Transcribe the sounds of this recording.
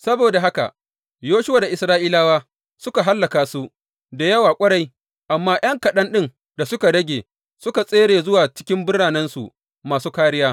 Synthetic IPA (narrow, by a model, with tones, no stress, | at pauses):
sɐ˦boː˨da˨ɦa˦ka̰˨ | joː˦ʃʊ˦wa˨da˨ʔɪ˨sɾaː˦ʔiː˦laː˦waː˦ | sʊ˦ka˨ɦa˦lːɐ˨kaː˨su˦ʔ | da˨jɐ˦waː˨kʷʼɐ˦ɽa˦j | ʔa˨mːaː˦j̰ʔɐ˦ŋkɐ˨ɗɐ˦nɗɪ˦n | da˨sʊ˦ka˨dɐ˦ɡʲeː˨ | sʊ˦ka˨sʼeː˦ɽeː˨zʊ˦waː˨t͡ʃɪ̥˦kʲɪ˦mbʊ˦ɽaː˨nɐ˦nsṵ˨ʔ | maː˨suː˦kaː˦ɽɪ˦jaː˦